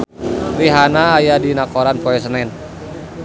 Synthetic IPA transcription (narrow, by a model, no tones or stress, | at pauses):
riɦanaːjadinakɔɾanpɔɛs̬ənɛn